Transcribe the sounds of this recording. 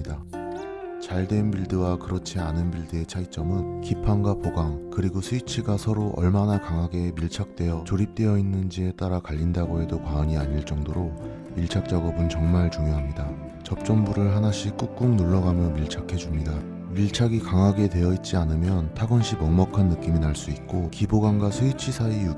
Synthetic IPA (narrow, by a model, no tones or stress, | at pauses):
da | t͡ɕaɭdwe̞nbiɭdɯwakɯɾʌt͡ɕʰianɯnbiɭdɯe̞t͡ɕʰait͡ɕ͈ʌmɯnkipʰanɡwapʰoɡaŋkɯɾiɡosʰuit͡ɕʰiɡasʰʌɾoʔʌ̰ɭmanakaŋɦaɡe̞miɭt͡ɕʰak̚t͈we̞jʌt͡ɕoɾip̚t͈we̞jʌinːɯnd͡ʑie̞t͈aɾakaʎːindaɡoɦe̞dokwaʌɲiaɲiɭt͡ɕ͈ʌŋdoɾo | iɭt͡ɕʰak̚t͡ɕ͈aɡʌbɯnt͡ɕʌŋmaɭt͡ɕuŋjoɦamɲida | t͡ɕʌp̚t͡ɕ͈ʌmbuɾɯɭɦanaɕʰik͈uk̚k͈uŋnoɭːʌɡamjʌmiɭt͡ɕʰakʰe̞d͡ʑumɲida | miɭt͡ɕʰaɡikaŋɦaɡe̞dwe̞jʌit̚t͡ɕ͈ianɯmjʌntʰaɡwʌnɕʰimʌŋmʌkʰanːɯk͈iminaɭs͈uit̚k͈okiboɡaŋɡwasʰuit͡ɕʰisʰaiju